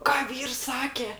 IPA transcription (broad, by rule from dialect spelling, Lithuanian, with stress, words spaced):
ˈkɑː ˈʋʲiːrs ˈsɑːkʲɛ